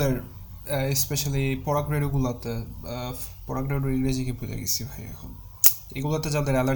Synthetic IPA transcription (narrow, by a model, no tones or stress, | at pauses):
eɾ | espeʃalipɔɾakɾeɾuɡulat̪e | pɔɾakɾeɾuɾiɡɾed͡ʑikepud͡ʑa̰ɡḭt͡sʰibʱajɛ̰kʰo̰n | ḛɡulat̪ed͡ʑad̪eɾɛla